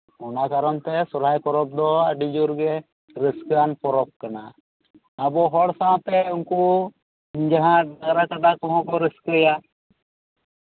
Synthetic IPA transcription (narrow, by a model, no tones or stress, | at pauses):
ɔnakaɾɔnt̪ɛsɔɾajpɔɾɔp̚d̪ɔaɖid͡ʒuɾɡɛ | ɾɛskanpɔɾɔp̚kanaː | bɔɦɔɽsãwãt̪ɛunku | d͡ʒaɦãɖaɡɾakad̪akɔɦɔ̃kɔɾɛskɛja